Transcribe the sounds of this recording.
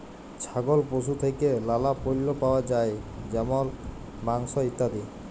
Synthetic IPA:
t͡ʃʰaɡɔlposut̪ʰekelalapojlːopaoad͡ʒaed͡ʒɛmɔl | maŋsɔit̪ad̪i

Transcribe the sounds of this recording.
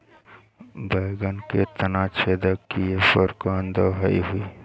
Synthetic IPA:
bəɪɡənket̪ənat͡ʃʰed̪əkːiepəɾkoənd̪əɦəiɦui

